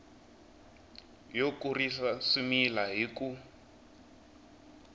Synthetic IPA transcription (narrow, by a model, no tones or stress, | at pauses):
jokuriɬasumilaɦiku